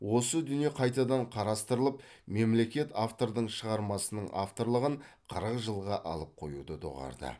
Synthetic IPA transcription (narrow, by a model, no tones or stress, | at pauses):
wo̞səd̪ʏnije̞qʰɑjt̪ɑd̪ɑɴqʰɑɾɑst̪əɾəlˠəp | me̞mle̞kʲe̞t̪aft̪o̞ɾd̪əɴʃəʁɑɾmɑsənəɴʔaft̪o̞ɾlˠəʁəɴqʰəɾəqʒəlˠʁɑʔɑ̰lˠəp̚qʰo̞̰jṵd̪əd̪o̰ʁɑ̰ɾd̪ə̰